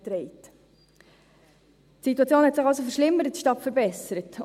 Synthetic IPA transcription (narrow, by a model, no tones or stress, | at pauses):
tɾɛɪt | tsituɑt͡sjoːnhɛtsɪχɑlsofəɾʃlɪmːəɾət̚ʃtɑtfəɾbɛsəɾət